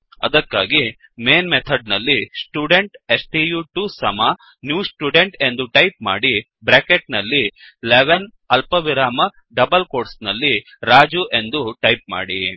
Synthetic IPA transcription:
ɐ̰d̪ɐkːa̰ːɡi | meːnmet̪ʰɐɖnɐlːisʈjuːɖeɳʈesʈiːjuʈusɐma | njuːsʈjuːɖeɳʈe̞nd̪uʈɐjp̚ma̰ːɽi | bɾeːkeʈ̚nɐlːi | leʋɐn | ɐlpɐʋiɾaːmɐ | ɖɐbɐlkoːʈsnɐlːi | ɾaːd͡ʒuʔe̞nd̪uʈɐjp̚ma̰ːɽi

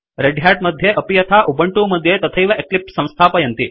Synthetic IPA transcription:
ɾeɖʱjaːʈ̚mɐd̪ʱjeʔɐpijɐt̪ʰaːʔubɐɳʈuːmɐd̪ʱːjet̪ɐt̪ʰɐjʋɐʔeklip̚sɐ̃w̃st̪ʰaːpɐjɐnt̪i

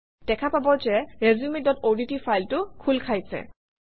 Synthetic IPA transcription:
d̥ɛkʰapabɔzɛɹezumidɔtoditifʰajltʊkʰulkʰajsɛ̰

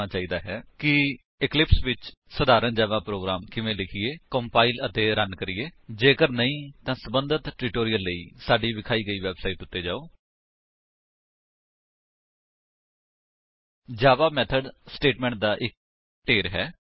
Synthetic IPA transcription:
aːt͡ʃaːiːd̪aːɦɛːkɪ | ɪklɪpsʋɪt͡ʃsəd̪aːɾənd͡ʒaːʋaːpɾoːɡɾaːmkɪʋẽːlɪkʰɪeːkəmpaːilət̪eːɾənkəɾɪeːd͡ʒeːkəɾnəĩːt̪ãːsəbənd̪ʱət̪ʈɾɪːʈoːɾijəlːəiːsaːɖiːʋɪkʰaːiːɡəiːʋɛːbsaːiːʈʊt̪ːeːd͡ʒaːoː | d͡ʒaːʋaːmɛːt̪ʰəɖsʈeːʈmɛ̃ːɳʈ̚d̪aːʔɪk̚ | ʈeːɾɦɛː

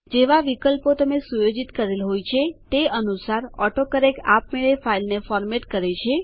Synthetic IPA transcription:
d͡ʒeʋaʋikəlpot̪əmesujod͡ʒit̪kəɾelɦojt͡ʃʰet̪eənusaɾɔʈokəɾeka̰p̚meɭefailnefɔɾmeʈkəɾet͡ʃʰe

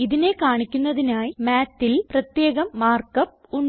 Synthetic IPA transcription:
iðine̞kaːɳikʲːunːɐðinaːjimaːtːilprɐt̪je̞ːɣɐmːaːrkɐp̚ | uɳ

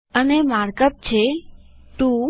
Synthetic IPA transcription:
ənemaɾkəp̚t͡ʃʰet̪ũ

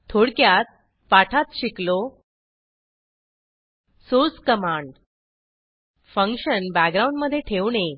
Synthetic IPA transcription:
t̪ʰoɽkjat̪̚ | paʈʰat̪ɕiklo | sot͡skəmaɳɖ | fə̃ŋkɕənbæɡɡɾauɳɖməd̪ʱːjeʈʰeʋne

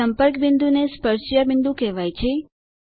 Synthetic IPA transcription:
əmpəɾkbɪ̃nd̪unespəɾʃjabɪnd̪ũkɛʋajt͡ʃʰe

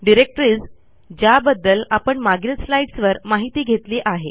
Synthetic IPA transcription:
ɖiɾek̚ʈɾiːd͡z | d͡ʑjabəd̪ːəlapəɳmaɡɾet̪slaiʈsʋəɾmaɦit̪iːɡʱet̪liːʔaɦe

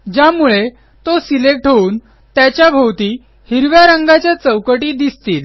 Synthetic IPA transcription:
d͡ʑamuɭe | t̪osilek̚ʈʰəuːn | t̪jat͡ɕjabʱəwt̪iː | hiɾʋjaɾəŋɡat͡ɕjat͡səwkəʈiːd̪ist̪iːl

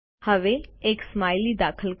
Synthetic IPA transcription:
həʋeeːksmaːjlid̪aːkʰəlk

